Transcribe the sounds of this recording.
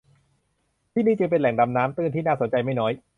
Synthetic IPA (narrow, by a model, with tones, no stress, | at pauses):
t̪ʰiː˥˩niː˥˩t͡ɕɯ˧ŋpe˧nlɛ˨˩˦ŋda˧mnaː˦˥mt̪ɯ˥˩nt̪ʰiː˥˩naː˥˩so˩˦nt͡ɕa˧jma˥˩jnɔː˦˥j